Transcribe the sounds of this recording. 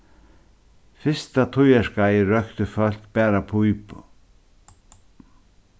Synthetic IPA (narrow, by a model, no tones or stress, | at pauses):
fɪst̪at̪ʰʊjɛskajɪɾœkt̪ʏfœl̥kpɛːɾapʰujp